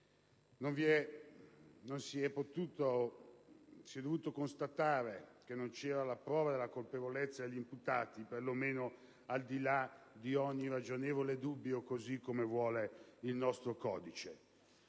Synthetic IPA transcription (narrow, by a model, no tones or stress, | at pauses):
noɱviɛ | nonsiɛpːot̪uːt̪o | siɛd̪ovuːt̪okonst̪at̪aːɾekenːont͡ʃɛːɾalapɾɔːvad̪elːakolpevolet̪sːad̪eʎːimput̪aːt̪iperlomeːno | ald̪ilad̪iɔɲːirad͡ʒoneːvoled̪ubːjokozikːomevwɔːleilnɔst̪ɾokɔ̰ːd̪it͡ʃe